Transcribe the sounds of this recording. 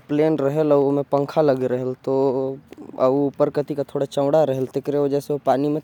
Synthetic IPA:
pleːnʈɾɐɦelɐmẽpə̃ŋkʰalɐɡɾəɦelt̪o | ɐupəɾkət̪ikat̪ʰoːɽat͡ʃə̃ʋɽaɾɐɦelt̪ɪkɾeʋəd͡ʒɛseopaːnimẽ

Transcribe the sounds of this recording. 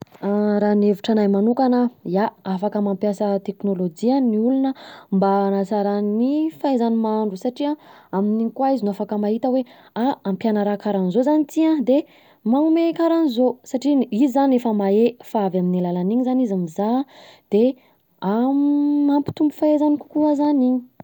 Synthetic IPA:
ɾaːneviʈ͡ʂanajmanukanəjaafakamampjasət̪eknolod͡ʒianniulunəmbanasaɾanifaezanimaɳɖ͡ʐusaʈ͡ʂiãaminikwaizinuafakəmaɦit̪əwe | aampjanəɾakaɾanizozanit̪iãd̪e | maumekaɾanizosaʈ͡ʂiizizanefəmaefaavaminilalaniɲizanizamizad̪̥e | a | ampi̥t̪umbufaezaniku̥kuazaniɲi̥

